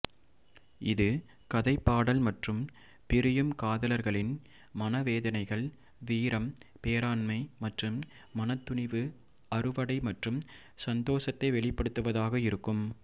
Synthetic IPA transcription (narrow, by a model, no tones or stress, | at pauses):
ɪðɯ | kɐðɐɪpːaːɽɐlmɐʈrɯm | pɪɾɪjɯmkaːðɐlɐɾɣɐɭɪn | mɐnɐʋeːðɐnɐɪɣɐɭ | ʋiːɾɐmpeːɾaːnmɐɪmɐʈrɯmː | ɐnɐt̪ːʊɳɪʋɯ | ɐɾɯʋɐɽɐɪmɐʈrɯm | sɐnd̪oːsɐt̪ːɐɪʋɛɭɪpːɐɽɯt̪ːɯʋɐðaːɣɐɪɾɯkːɯm